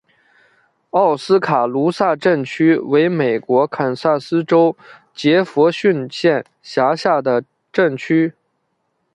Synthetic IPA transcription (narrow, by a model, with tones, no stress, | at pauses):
ɑ˥˩ʊsɹ̩˥kʰa˨˩lu˧˥sa˥˧ʈ͡ʂə˥˩nt͡ɕʰy˥we˧˥ɪme˨˩ɪkwɔ˧˥kʰə˨˩nsa˥˩sɹ̩˥ʈ͡ʂo˥ʊ | t͡ɕjɛ˧˥fɔ˧˥ɕy˥˧nɕjɛ˥˩n | ɕja˧˥ɕja˥˩d̪ə˩ | ʈ͡ʂə˥˩nt͡ɕʰy˥